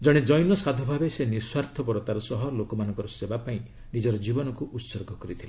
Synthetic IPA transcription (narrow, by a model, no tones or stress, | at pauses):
d͡ʒɔɽ̃ed͡ʒɔjnɔsad̪ʱubʱabeseniswaɾt̪ʰɔpɔɾɔt̪aɾɔsɔɦɔlokɔmanɔ̃ŋkɔɾɔsebapaĩ | nid͡ʒɔɾɔd͡ʒibɔnɔkuʔut̪soɾɡʱɔkɔɾit̪ʰile